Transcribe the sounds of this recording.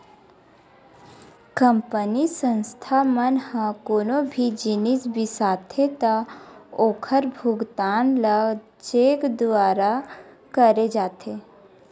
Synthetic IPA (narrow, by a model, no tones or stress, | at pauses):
kəmpənisə̃nst̪ʰamənhãkoːnobʱid͡ʒinisbisaːt̪ʰet̪aoːkʰəɾbʱʊɡt̪aːnləɡ | t͡ʃeːkd̪ʊaːɾa | kəɾed͡ʒaːt̪ʰe